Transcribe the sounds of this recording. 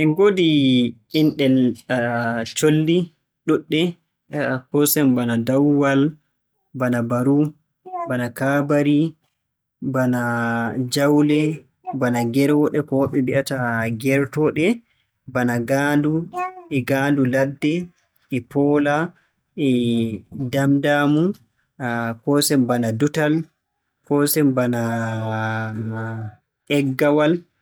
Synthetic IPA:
ʔɛnɡodi | inɗɛl | t͡ʃolːi | ɗuɗːɛ | pɔsɛmbanadawwal | banabaɾu | banakabaɾi | banad͡ʒawlɛ | banaɡɛɾwɔɗɛkɔwaɓɛmbiʔataɡɛɾtɔɗɛ | banaɡanduʔɛɡaːnduladːɛ | ɛpɔːla | ɛ | damdamu | kɔsɛmbanadutal | kɔsɛmbana | ʔɛɡːawal

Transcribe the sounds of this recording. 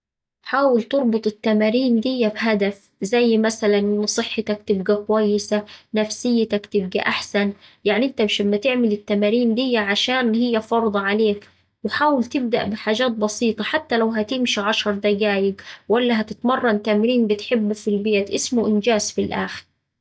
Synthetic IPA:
ħaːwɪlt̪ɨɾˤbʊt̪ˤɪt̪ːamaːɾiːnd̪ɪjːabɦad̪af | zajːmasalanʔɪnːsˤɨħːɪt̪akt̪ɪbɡakʊwajːɪsanafsɪjːɪt̪akt̪ɪb̚ɡa̰ʔaħsanjaʕniʔɪnt̪amːʃɪmːat̪ɪʕmɪlɪt̪ːamaːɾiːnd̪ɪjːaʕaʃaːnhɪjːafɑɾˤd̪ˤɑʕaleːk | wɪħaːwɪlt̪ɪb̚d̪a̰ʔbɪħaːd͡ʒaːt̪̚bɑsiːt̪ˤɑħat̪ːalawɦæt̪ɪmʃiʕɑʃɑɾˤd̪aɡaːjɪɡwalːaɦat̪ɪt̪mɑrˤːɑnt̪amɾiːnbɪt̪ħɪbːufilbeːt̪ʔɪsmʊʔɪnd͡ʒaːzfilʔa̰ːxɪ̥ɾ

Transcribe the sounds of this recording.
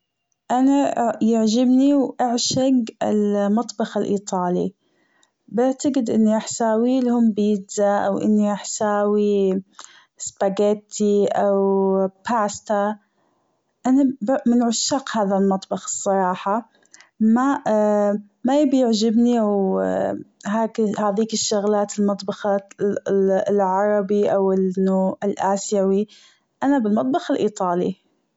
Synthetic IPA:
ʔanajɪʕʒɪbniwʔaʕʃaɡɪ̰lmɑt̪ˤbɑxɪlʔḭːt̪ˤɑːlḭ | bɪʕt̪aɡɪd̪ʔɪnːiʔaħsaːwiːlhʊmbjɪd͡ʒzaʔa̰wʔɪ̰nːiʔaħsaːwi | spaɡet̪ːiʔawpʰaːst̪a | ʔanabmɪnʕʊʃːaqhaːðalmɑt̪ˤbɑxɨsˤːɑɾˤɑːħɑ | ma | majɪbjɪʕd͡ʒɪbniw | ɦaːkhaːðiːkɪʃːʊɣlaːt̪ɪlmɑt̪ˤbɑxɑ | lʕɑɾˤɑbiʔawɪnuɪlʔaːsjawi | ʔanabɪlmɑt̪ˤbɑxɪlʔiːt̪ˤɑːlḭ

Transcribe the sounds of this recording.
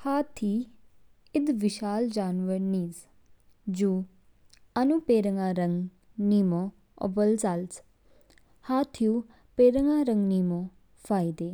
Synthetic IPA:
haːt̪ʰiː | ɪd̪ʋɪʃaːld͡ʒaːnʋəɾniːz | d͡ʒuː | ənũːpeːɾəŋaːɾəŋɡ | niːmõː | o̰bəlzals | haːt̪ʰijuː | peːɾəŋaːɾəŋɡniːmoː | fʰaːid̪eː

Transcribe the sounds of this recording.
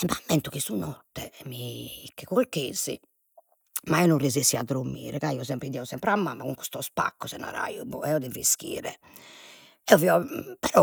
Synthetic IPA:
mamːɛnt̪ukisunɔt̪ːɛmikːɛkolkeːz̥ḭ | maɛɔnurːizisiad̪ɾumːḭːɾɛkaiːɔsɛmpɾid̪iɛusɛmpɾamːamːakuŋku̥st̪ɔspa̰kːɔsɛna̰ɾa̰jubɔɛɔd̪ivisk̟ḭːɾɛ̰ | ɛɔviɔpɛɾɔ

